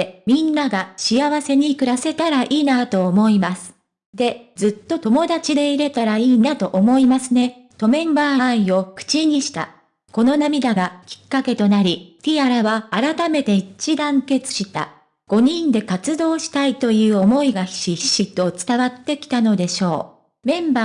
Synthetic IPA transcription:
mʲĩnːaɡaɕiaβase̞ɲ̟ikɯ̟ɾase̞t̪aɾaʔiːnat̪o̞ːmo̞imasɨ̥ | d̪e̞d͡zɨt̪ːo̞t̪o̞mo̞d̪at͡ɕid̪e̞iɾe̞t̪aɾaiːnat̪o̞ʔomo̞imasɨne̞ | t̪o̞mẽ̞mbãĩo̞kɯ̟̥t͡ɕiɲ̟iɕi̥t̪a̰ | ko̞no̞namʲid̪aɡakʲi̥kːake̞t̪o̞naɾʲit̪ʲiaɾaβaːɾat̪ame̞t̪e̞it͡ɕid̪ãŋke̞t͡sɨ̥ɕit̪a̰ | ɡ̥o̞ɲ̟ĩnd̪e̞kat͡sɨd̪o̞ːɕi̥t̪ait̪o̞jɯ̟ːo̞mo̞iɡaçi̥ɕiɕit̪o̞t͡sɨ̥t̪aβat̪ːe̞kʲi̥t̪ano̞d̪e̞ɕo̞ː | mẽ̞mbaː

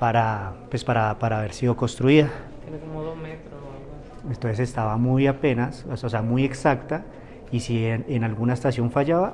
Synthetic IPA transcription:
paɾapwe̞spaɾapaɾaːβe̞ɾsiðo̞ko̞nst̪ɾuiða | eekomoðomet̪ɾo | ent̪onsese̞st̪aβamujape̞nassoseamuje̞ksakt̪a | isienenalɡunaest̪asjo̞ɱfaʝaβa

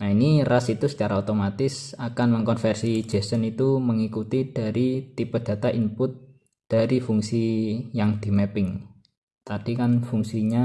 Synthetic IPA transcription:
nainirasit̪usə̥t͡ʃaɾaot̪omat̪ɪsakanməŋkɔnfɛrsi̥d͡ʒ̥ɛ̤sənit̪uməŋikut̪id̥a̤ɾit̪ipəd̥ä̤t̪aʔimpʊt̪̚ | d̪̥a̤ɾifuŋsijaŋd̪̥i̤mepɪŋ | t̪ad̥ikanfuŋsiɲa

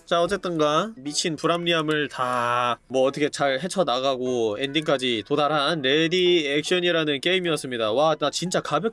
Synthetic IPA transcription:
t͡ɕaʌt͡ɕ͈e̞t͈ɯnɡamit͡ɕʰinpuɾamɲiamɯɭtamwʌːt͈ʌkʰet͡ɕaɭɦe̞t͡ɕʰʌnaɡaɡoe̞ndiŋk͈ad͡ʑitodaɾɦanɾe̞diek̚ɕ͈ʌɲiɾanɯnk͈e̞imiʌs͈ɯmɲidawanat͡ɕint͡ɕ͈akabjʌ

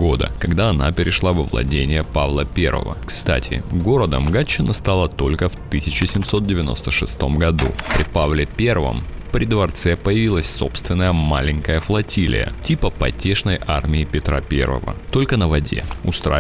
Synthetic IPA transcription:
ɡod̪ə̰kɐɡd̪aɐna̰pʲɪɾʲɪʂlˠavəvlˠɐ̰dʲenʲɪjəpavlˠəpʲe̞̰rvə̰və̰kst̪a̰tʲʰɪ̰ɡo̞ɾəd̪əmɡat͡ɕːɪnəst̪alˠət̪o̞lʲkəft̪ɨsʲɪt͡ɕɪsʲɪmso̞t̪̚dʲɪvʲɪno̞st̪əʂɨst̪o̞mɡɐd̪upɾʲɪpavlʲɪpʲe̞rvə̰m | pɾʲɪd̪vɐrt̪sɛpəjɪvʲilˠəsʲso̞pst̪vʲɪnːəjəmalʲɪnʲkəjəflˠɐtʲilʲɪ̰jə̰tʲipəpɐtʲe̞ʂnəjʔarmʲɪɪpʲɪt̪ɾa̰pʲe̞̰rvə̰və̰t̪o̞lʲkənəvɐdʲe̞̰ʊst̪ɾa̰

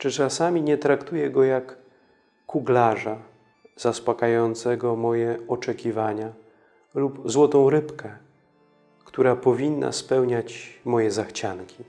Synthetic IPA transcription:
t͡ʂɘt͡ʂasamʲiɲɛt̪ɾakt̪ujɛɡɔjakː | uɡlaʐa | z̥aspakajɔnt̪sɛɡɔmɔjɛɔt͡ʂɛkʲivaɲa | lupzwɔt̪ɔ̃w̃ɾɘpkɛ | kt̪uɾapɔvʲinːa̰spɛwɲat͡ɕmɔjɛzaxt͡ɕaŋkʲi

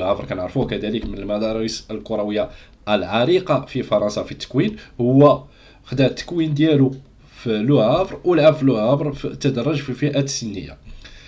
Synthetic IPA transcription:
ʕæfɾˤkænəʕɾfuhkæd̪æləkmənəlmæd̪ɑɾˤisəlkʊɾˤɑwəjːa | əlʕɑɾiqɑfifɑɾˤɑnsɑfit̪ːə̥kwinhʊwːæ | xd̪æʕt̪ːə̥kwind̪jælu | fluhæbɾˤwəlʕabfluhæbɾˤt̪ːəd̪əɾˤːɑʒfifiʔæt̪sənːəjːa̰

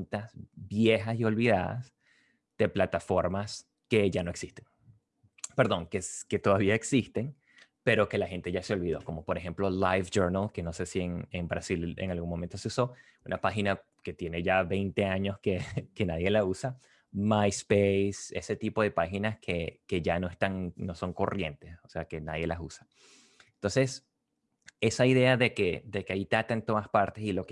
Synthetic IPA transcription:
nt̪asbje̞xasio̞lβiðaða̰s | d̪̥e̞plat̪afo̞ɾmas | ke̞ʝano̞e̞ksist̪e̞ŋ | pe̞ɾðo̞ŋkeske̞t̪o̞ðaβiaeksist̪e̞ŋ | pe̞ɾo̞ke̞laxe̞nt̪e̞ʝaseo̞lβiðo̞ko̞mo̞po̞ɾexe̞mplo̞lajfd͡ʒoɾnalke̞no̞se̞sieŋembɾasilḛŋalɣunmo̞ment̪o̞se̞uso̞ | unʔapaxina | ke̞t̪je̞ne̞ʝaβe̞jnt̪e̞aɲo̞skeke̞naðje̞lausa | majspejse̞̰se̞t̪ipo̞ðe̞paxinaskʰe̞ke̞ʝano̞est̪aŋno̞so̞ŋko̞̰rʔje̞̰nt̪e̞so̞se̞ake̞naðje̞lʔasusḁ | ent̪o̞nse̞s | e̞saiðe̞aðe̞ke̞d̪e̞keait̪at̪aent̪o̞ðaspaɾt̪e̞silo̞k

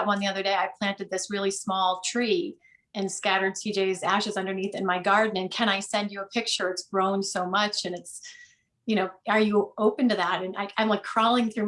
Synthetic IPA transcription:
t̚wʌ̃nðiʌðə˞deɪaɪpʰl̥æ̃ntɨd̪̚ðɪsɹɪlˠismɔlˠtʰɹ̥i | ɨ̃nskæɾə˞dsʰid͡ʒeɪzæʃɨzʌ̃ndə˞niθɨ̃nmaɪɡɑɹdⁿn̩ɨ̃nkʰɨ̃ɾ̃aɪsɛ̃nd͡ʒɨəpʰɪk̚t͡ʃə˞ɨtsɡ̥ɹõʊ̃nsoʊmʌt͡ʃɨ̃nɨts | jɨɾ̃oʊə˞jɨoʊpɨ̃n̩tɨðæɾɨ̃na̰ɪãɪ̃mlaɪkʰɹ̥ɔlˠɪ̃ŋθɹʉ

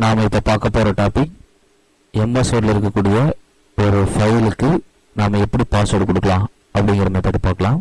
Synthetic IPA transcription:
naːmɐɪpːoːpaːɾkɐpːoːɾɐʈaːpɪk | ɛnd̪ɐsoɾlɪɾɯkːɐkːuːɽɪjɐ | ɔɾɯfɐjlɯkːɯ | naːmɐɛpːɐɽipaːsɐɽɯkːɔɽɯkːɐlãː | ɐpːɐɽɪŋɡɐɾɐmeːpːɐːʈːɯpaːkːɐlãːm

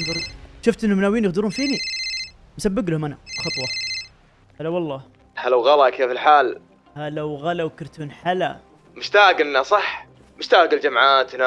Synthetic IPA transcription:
nðˤɑɾˤʃʊft̪ʔɪnːʊmnaːwiːnjɪxd̪ɪɾuːnfiːni | msabːɪɡlhʊmʔanaxɑt̪ˤwɑ | halawɑlˤːɑː | halawɣalakʰeːfɪlħaːl | halawɣalawkɪɾt̪uːnħala | mʊʃt̪aːɡɪnːasˤɑħ | mʊʃt̪aːɡɪld͡ʒamʕaːt̪na

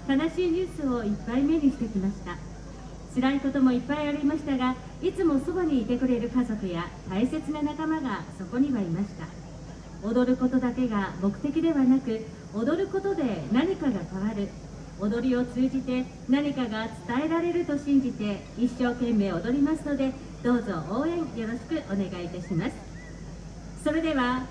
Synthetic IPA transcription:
t̪anaɕiːɲ̟ɨːsɨo̞ipːaime̞ɲ̟iɕi̥t̪e̞kʲimaɕi̥t̪a | t͡sɨɾaiko̞t̪o̞mo̞ipːaiaɾʲimaɕi̥t̪aɡa | it͡sɨmo̞so̞baɲ̟iːt̪e̞kɯ̟ɾe̞ɾɯ̟kazo̞kɯ̟jat̪aise̞t͡sɨnanakamaɡaso̞ko̞ɲ̟iβaimaɕi̥t̪a | o̞d̪o̞ɾɯ̟ko̞t̪o̞d̪ake̞ɡamo̞kɯ̟̥t̪e̞kʲid̪e̞βanakɯ̟ | od̪o̞ɾɯ̟ko̞t̪o̞d̪e̞naɲ̟ikaɡakaβaɾɯ̟ | o̞d̪o̞ɾʲio̞t͡sɨːʑit̪e̞ | naɲ̟ikaɡat͡sɨ̥t̪ae̞ɾaɾe̞ɾɯ̟t̪o̞ɕĩɲ̟d͡ʑit̪e̞ | iɕːo̞ːkẽ̞mːe̞ːo̞d̪o̞ɾʲimasɨno̞d̪e̞ | d̪̥o̞ːzo̞ʔoːẽ̞ŋjo̞ɾo̞ɕi̥kɯ̟ʔo̞ne̞ɡait̪aɕimasɨ̥ | so̞ɾe̞d̪e̞βa

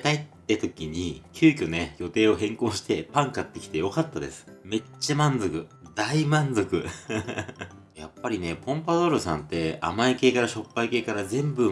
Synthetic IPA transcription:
t̪ait̪ːet̪o̞kʲiɲ̟ikʲɨːkʲone̞jo̞t̪e̞ːo̞ɦẽ̞ŋkõ̞ɰ̃ɕi̥t̪e̞pãŋkat̪ːe̞kʲi̥t̪e̞jo̞kat̪ːad̪e̞̰sɨ̥me̞t͡ɕːamãnzo̞kɯ̟d̪̥aimãnzo̞kɯ̟ | japːaɾʲine̞põ̞mpad̪o̞ɾɯsã̰nt̪e̞a̰maike̞ːkaɾaɕo̞pːaike̞ːkaɾazẽ̞mbɯ̟

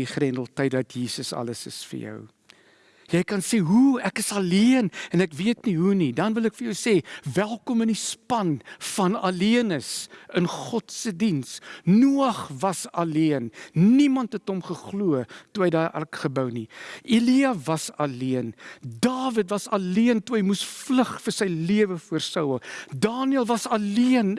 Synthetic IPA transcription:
iχrɛndəl̩ˠtɐjdɐtjiːsəsɐ̰ləsə̰sfə̰rjœ̰w | jɛjkɐnseːɦuækəsɐliənɛnækviətniɦunidɐnvəlækfərjəwseːvælˠkɔmənispɐnfɐnɐ̰liənəsənχɔtsədinsnuɐχvɐsɐliənnimɐntɦɛtɔmχəχluətuɦɛjdɑːrʔɛ̰rkχəbəwniiliɐvɐsɐliəndɑːvətvɐsɐliəntuɦəjmusfləχfərsɛjliəvəfuərsɐwəlˠdɑːniəlˠvɐsɐliən

